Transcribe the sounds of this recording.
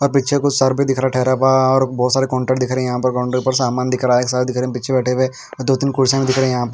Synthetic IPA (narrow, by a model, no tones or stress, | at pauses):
ɔːɾpiːt͡ʃʰekʊt͡ʃsaɾbʱid̪ɪkʰɾaʈʰɛːɾapaɔːɾbɔːt̪saːɾekɔ̃ːɳʈəʈd̪ɪkʰɾeɛ̃jɐɦãpɐɾɡɔ̃ːɳɖɾpɐɾsaːmaːnd̪ɪkʰɾaeːksaːɾed̪ɪkʰɾeɛ̃pɪːʃʰebɛːʈʰeʋe | ɔɾd̪oːt̪ɪnkʊɽseːmĩd̪ɪkʰɾeɛ̃jɐɦãpɐɾ